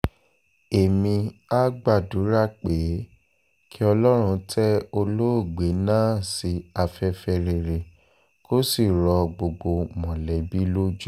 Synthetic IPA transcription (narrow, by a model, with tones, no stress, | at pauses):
e˨mĩ˧a˦ɡ͡ba˦˨du˨˦ɾa˦˨k͡pe˨˦ | kʰi˦ɔ˧lɔ˦ɾ̃ũ˧tʰɛ˦o˧lo˦o˦˨ɡ͡be˨˦nãː˦˨si˨˧˦a˧fɛ˧fɛ˧ɾe˨ɾe˨ | ko˦si˦˨ɾɔ˧ɡ͡bo˧ɡ͡bo˧mɔ̃˨lɛ˨bi˦lo˦d͡ʒu˦